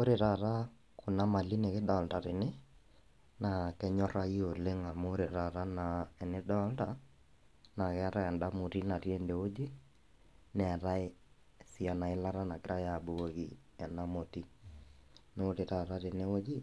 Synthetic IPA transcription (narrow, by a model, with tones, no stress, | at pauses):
o˦ɾe˨ɾa˨ɾa˦ | ko˨na˦ma˨li˦ne˨kɪ˦dɔ˨lta˨ɾe˨ne˦ | na˨kɛ˦ɲɔ˦ɾa˦i˦o˨le˦ŋa˨mo˦ɾe˨ɾa˨ɾa˦na˨ɛ˨ne˦dɔ˦lta | na˨kɛ˦ɾa˦ɛ˨nda˦mo˨ɾi˦na˨ɾje˦nde˨o˦d͡ʒi˦ | nɛ˨ɾa˦e˦ | sia˨na˨ɪ˦la˦ɾa˦na˨kɪ˦ɾa˦ja˨bo˨o˦ɣḭ˨ | ɛ˨na˦mo˨ti˦ | no˦ɾe˨ɾa˨ɾa˦ɾe˨ne˦o˦d͡ʒi˦